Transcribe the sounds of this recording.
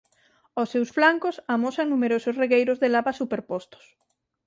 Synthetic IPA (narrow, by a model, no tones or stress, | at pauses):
osːewsflaŋkosamosaŋnumeɾososreɣejɾozðelaβasupeɾpost̪o̥s